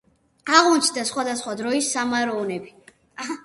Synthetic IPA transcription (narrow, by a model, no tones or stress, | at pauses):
aʁunt̪t͡ʃʰd̪asχwad̪asχwad̪ɾɔisːamaɾɔɔnɛbi